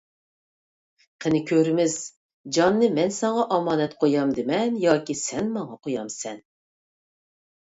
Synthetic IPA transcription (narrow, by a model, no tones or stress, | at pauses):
qʰənɪkʲʰøɾmɪz̥ | d͡ʒɑnːɨmɛnsɑɴɑʔɑmɑːnɛt̪qʰojɑmd̪ɪmɛnjɑːkʲisɛnmɑɴɑqʰojɑmsɛn